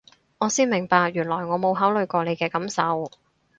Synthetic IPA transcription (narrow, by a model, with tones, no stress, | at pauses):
ŋɔː˨˧siː˥nmɪ˨˩ŋpaː˧k̚jyː˨˩nlɔː˨˩jŋɔː˨˧mo˨˧wɦaː˨˥wlɵ˨˧ɥkʷɔː˧ne˨˧jkɛː˧kɐ˨˥msɐ˨˧w